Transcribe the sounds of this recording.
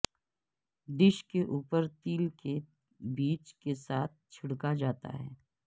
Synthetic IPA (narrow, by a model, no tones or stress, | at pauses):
d̪ɪʃkeʔuːpəɾt̪iːlke | biːt͡ʃkesaːt̪̚ʰt͡ʃʰɪɽkad͡ʒaːt̪a̰ɦɛ̰ː